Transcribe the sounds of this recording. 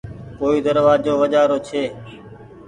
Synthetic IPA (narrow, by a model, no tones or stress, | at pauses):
poːiːd̪əɾʋaːd͡ʒoːʋəd͡ʒaːɾoːt͡ʃʰeː